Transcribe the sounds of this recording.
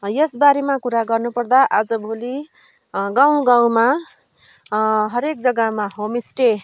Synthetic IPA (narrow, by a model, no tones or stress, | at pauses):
jʌsbaɾemakuɾaɡʌrnupʌrd̪aʔad͡zʌbʱoli | ɡãw̃ɡaw̃ma | ɦʌɾek̚d͡zʌɡamaɦomisʈe